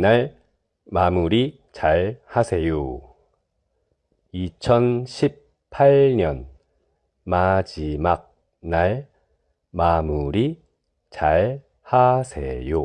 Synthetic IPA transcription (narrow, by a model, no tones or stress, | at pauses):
naɭ | mamuɾi | t͡ɕaɭhasʰe̞jo | it͡ɕʰʌnɕʰip | pʰːaɭɲʌn | mad͡ʑimak̚ | naɭ | mamuɾi | t͡ɕaɭ | hasʰejo